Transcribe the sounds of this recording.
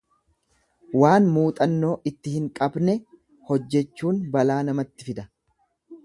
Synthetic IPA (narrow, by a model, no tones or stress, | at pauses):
waːnmuːt̪ʼɐnːo̞ːʔɪt̪ːɪhɪŋkʼɐbnɛ | hɔd͡ʒːɛt͡ʃːuːnbɐlaːnɐmɐt̪ːɪfɪd̪ɐ